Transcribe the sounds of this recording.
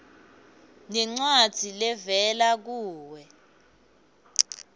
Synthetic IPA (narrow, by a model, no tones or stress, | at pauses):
nɛŋ͡ǀwad̥d̥ʱilɛvɛlak̬uːwɛ